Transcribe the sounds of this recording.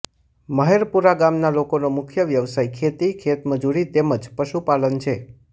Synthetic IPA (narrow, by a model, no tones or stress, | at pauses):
məɦeɾpuɾaɡamnalokonomʊkʰjəʋjəʋsajkʰet̪ikʰet̪məd͡ʒuɾit̪eməd͡ʒpəʃupalənt͡ʃʰe